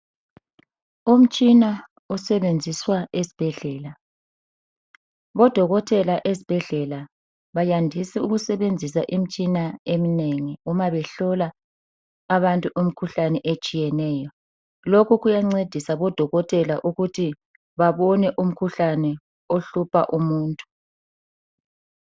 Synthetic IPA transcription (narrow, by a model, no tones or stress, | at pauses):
um̩t͡ʃʼina | ɔsɛβend͡zʱiswaesi̥b̥ʱɛɮɛːla | βɔd̥ʱɔɣɔtʰʼɛlaʔezib̥ʱɛɮɛla | βajandʱisiuɣusɛβend͡zʱisaʔim̩t͡ʃʼinaemineŋiumaβɛɬɔlaː | βantʼuʔum̩kʰuɬanɛʔet͡ʃʼijɛnɛːjɔ | lokʰuɣujaŋ͡ǀed̥ʱisaβɔd̥ʱɔɣɔtʼɛlaʔuɣutʰi | βaβɔnɛʔum̩kʰuɬanɛ | oɬupʰa̰ʔumuːntʼu̥